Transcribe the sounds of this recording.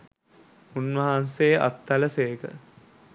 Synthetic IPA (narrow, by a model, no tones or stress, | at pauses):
unʋɐɦansejəʔa̰t̪ːɐləseːkə̰